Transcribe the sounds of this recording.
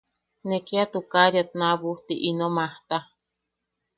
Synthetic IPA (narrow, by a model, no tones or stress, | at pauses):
nekiat̪ukaɾjat̪naβuht̪iʔinomaht̪a